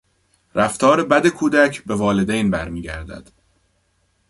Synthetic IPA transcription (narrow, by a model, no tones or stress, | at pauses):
ɾæft̪ʰɒːɾe̞bæd̪e̞kʰuːd̪æcʰbe̞vɒːle̞d̪ejnbæɾmiːɟæ̰ɾd̪æ̰d̪̥